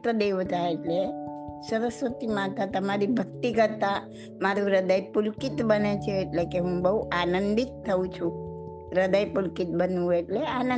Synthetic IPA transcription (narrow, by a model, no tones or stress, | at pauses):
t̪əd̪eʋt̪aeʈlesəɾəsʋət̪imat̪ʰat̪əmaɾibʱək̚t̪ikəɾt̪a | maɾũɾəd̪əjpʊlkit̪bənet͡ʃʰeːʈlekeɦũbəɦuʔanənd̪it̪ʰːəũt͡ʃʰũ | ɾəd̪əjpʊlkit̪̚bənũeʈleanə